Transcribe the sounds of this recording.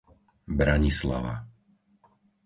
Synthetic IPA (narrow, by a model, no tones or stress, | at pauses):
bɾaɲisla̰ʋa̰